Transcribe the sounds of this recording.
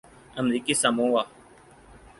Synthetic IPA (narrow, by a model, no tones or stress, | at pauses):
əmɾiːkisamõːwaː